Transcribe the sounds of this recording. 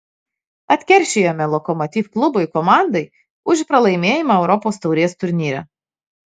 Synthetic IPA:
ɐt̪ʲkʲɛɾʲʃʲejoːmʲɛlˠɔkɔmɔt̪ʲiːfklˠʊbʊɪkɔmɑˑnd̪ɐɪ | ʊʃpɾɐlˠɐɪmʲeːjɪmɐɛʊɾɔpoːst̪ɒʊɾʲiɛst̪ʊɾʲnʲiːɾʲɛ̰

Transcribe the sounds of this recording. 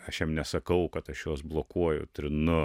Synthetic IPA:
ɐʃjɛmnʲɛsɐkɐʊkɐt̪ɐʃjoːsblˠoːkuɔjʊ̰t̪ʲɾʲɪnʊ

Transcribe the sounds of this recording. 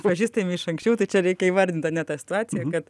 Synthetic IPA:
pɐʒʲiːst̪ɐjmɪʃɐŋksʲt͡ʃʲɛʊt̪ɐɪt͡ʃʲɛɾʲɛɪkʲɛiːʋɐɾʲd̪ʲɪnt̪ɐtnʲɛt̪ɑːsʲɪ̥t̪ʊɑːt͡s̪ʲɪjɛkɐt̪

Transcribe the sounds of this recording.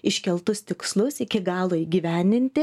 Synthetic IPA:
ɪʃʲkʲɛlˠt̪ʊst̪ʲɪkslˠʊsɪkʲɪɡɑːlˠoiɡʲiːʋʲæːnʲɪnʲt̪ʲɪ

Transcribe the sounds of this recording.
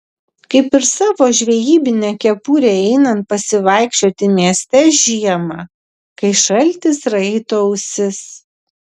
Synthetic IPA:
kɐɪpɪɾsɑːʋoːʒʲʋʲɛjiːbʲɪnʲɛkʲɛpuːɾʲeːɛɪnɐnt̪̚pɐsʲɪʋɐˑɪkʃʲt͡ʃʲoːt̪ʲɪmʲiɛsʲt̪ʲɛʒʲiɛmɑ | kɐɪʃɐlʲˑt̪ʲɪsɾɛɪt̪oːʊsʲɪs

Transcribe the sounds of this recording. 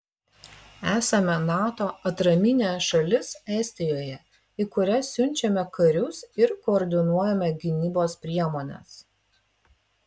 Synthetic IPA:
æːsɐmʲɛnɑːt̪oːɐt̪ɾɐmʲɪnʲɛsʃɐlʲɪsɛsʲt̪ʲɪjoːjɛ | ɪkʊɾʲɛsʲʊnʲt͡ʃʲɛmʲɛkɐɾʲʊsɪɾkoːɾʲd̪ʲɪnuɔjɛmʲɛɡʲɪnʲiːboːspʲɾʲiɛmoːnʲɛ̰s

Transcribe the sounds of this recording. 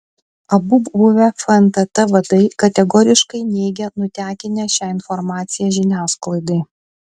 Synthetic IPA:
ɐbʊbbʊʋʲɛfɐɛnt̪ɐt̪ɐʋɐd̪ɐɪkɐt̪ʲɛɡɔɾʲɪʃkɐɪnʲɛːɡʲɛnʊt̪ʲæːkʲɪnʲɛʃʲæːɪnfɔɾmɑːt̪sʲɪjæʒʲɪnʲæːsklˠɐɪd̪ɐɪ

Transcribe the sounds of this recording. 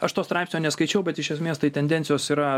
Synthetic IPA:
ɐʃt̪oːst̪ɾɑɪpsʲnʲoːnʲɛskɐɪt͡ʃʲɛʊbʲɛt̪ɪʃʲɛsʲmʲeːst̪ɐɪt̪ʲɛnʲd̪ʲɛnʲtsʲɪjoːsiːɾɐ

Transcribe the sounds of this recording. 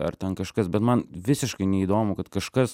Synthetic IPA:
ɐ̰rt̪ʲɛnkɐʃkɐsbʲɛt̪mɐnʋʲɪsʲɪʃkɐɪnʲɛid̪oːmʊkɐt̪kɐʃkɐs

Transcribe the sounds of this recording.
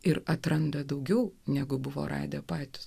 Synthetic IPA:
ɪɾɐt̪ɾɐnd̪ɐd̪ɐʊɡʲɛʊnʲæɡʊbʊʋo̰ːɾʔɑ̰ːd̪ʲɛpɑːt̪ʲʊ̥s

